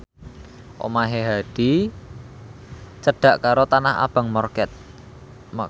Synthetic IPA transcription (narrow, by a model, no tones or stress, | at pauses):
ʔo̰maɦeɦaɖ̪̥i | t͡ʃəɖ̥ä̤ʔkaɾot̪anaɦa̰b̥a̤ŋmɔrkɛt̪̚